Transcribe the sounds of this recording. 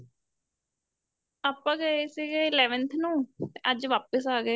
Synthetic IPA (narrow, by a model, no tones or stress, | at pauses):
aːpãːɡəeːsiːɡeːɪlɛːʋənt̪ʰnũːt̪eʔəd͡ʒʋaːpəsaːɡeː